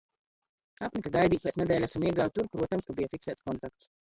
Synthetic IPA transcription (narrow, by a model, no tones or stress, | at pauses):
apnikaɡajd̪iːk̚peɛːt̪ɛd̪ɛːlʲasamiɛɡaw̚t̪uɾpɾuɔt̪amskabijafiksæːt̪skɔnt̪ak̚t̪s